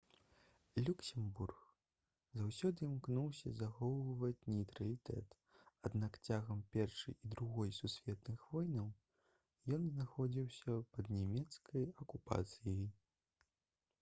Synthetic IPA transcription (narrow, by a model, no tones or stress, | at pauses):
lʲuksʲɛmburx | zawsʲɔd̪ɨmknuwsʲɐzaxɔwvɐvɐt͡sʲnʲɛjt̪ɾɐlʲit̪ɛ̰t̪ | ad̪nakt͡sʲaɣɐmpʲɛrʂɨjid̪ɾuɣɔjsusʲvʲɛt̪nɨxvɔjnɐw | jɔnznaxɔd͡zʲiwsʲɐpɐd̪nʲɛmʲɛt̪skʰɐjɐkupa̰t̪sɨjij